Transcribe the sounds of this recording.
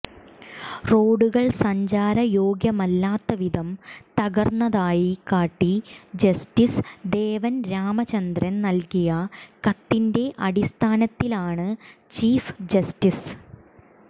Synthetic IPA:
ro̞ːɽuɣɐɭsɐɲd͡ʑaːɾɐjo̞ːɡjɐmɐlːaːt̪ːɐʋiðɐmt̪ɐɣɐrnːɐðaːjikaːʈːid͡ʑɐstisd̪eːʋɐnɾaːmɐt͡ɕɐnd̪rɐnnɐlkijɐkɐt̪ːinde̞ʔɐɽist̪ʰaːnɐt̪ːilaːɳɨt͡ɕiːfd͡ʑɐstis

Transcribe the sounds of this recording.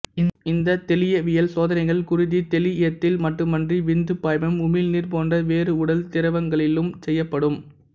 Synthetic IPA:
ɪɪnd̪ɐt̪ɛlɪjɐʋɪjɐlsoːðɐnɐɪɣɐɭkʊrɪðit̪ɛlɪɪjɐt̪ːɪlmɐʈrɯmːɐndriʋɪnd̪ɯpːaːjmɐmʊmɪlniːrpoːndrɐʋeːɾɯʊɽɐlt̪ɪɾɐʋɐŋɡɐɭɪlɯmsɛjːɐpːɐɽɯm

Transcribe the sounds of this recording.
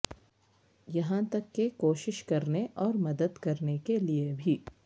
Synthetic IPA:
jɐɦãt̪ɐkːekoːʃɪʃkɐɾneʔɔːɾmɐd̪əd̪kɐɾnekeliebʱiː

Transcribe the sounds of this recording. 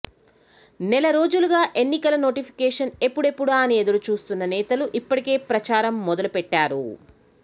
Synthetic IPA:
nɛlɐɾo̞ːd͡ʒuluɡaːʔe̞nːikɐlɐno̞ːʈipʰi̥kɛːʂɐne̞pːuɽe̞pːuɽaːɐnied̪ɐɾut͡ʃuːst̪unːɐnɛːt̪ɐluʔipːɐʈike̞ːpɾɐt͡ʃaːɾɐmːɔd̪ɐlupɛʈːaːɾṵ

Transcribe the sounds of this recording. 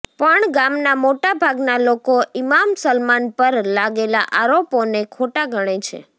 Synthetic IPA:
pəɳɡamnamoʈabʱaɡnalokoʔimamsəlmanpəɾlaɡelaʔaɾoponekʰoʈaɡʱəɽ̃et͡ʃʰḛ

